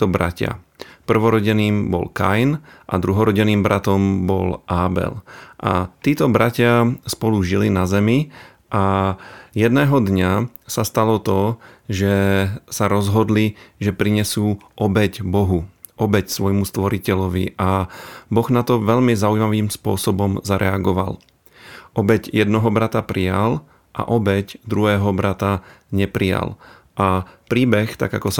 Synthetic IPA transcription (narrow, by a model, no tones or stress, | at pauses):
ɔbɾa̰cɪa̰pr̩ʋɔɾɔɟɛniːmbɔ̰lka̰jnʔa̰d̪ɾuɦɔɾɔɟɛniːmbɾʔat̪ɔmbɔ̰lʔaːbɛ̰lʔa̰t̪iːt̪ɔbɾacɪaspɔluʒilinazɛmi | ʔa | jɛd̪nɛːɦɔd̪ɲa | sast̪alɔt̪ɔʒɛsaɾɔzɦɔd̪liʒɛpɾiɲɛsuːʔɔbɛcbɔɦu | ʔɔbɛcsʋɔjmust̪ʋɔɾicɛʎɔʋḭʔabɔɣnat̪ɔʋɛʎmizaujmaʋiːmspʊɔsɔbɔmzaɾʔɛaɡɔʋa̰l | ʔɔbɛɟjɛd̪nɔɦɔbɾat̪apɾijal | ʔa̰ʔɔbɛɟd̪ɾuɦɛːɦɔbɾat̪aɲɛpɾija̰l | ʔapɾiːbɛxt̪a̰ɡa̰kɔsa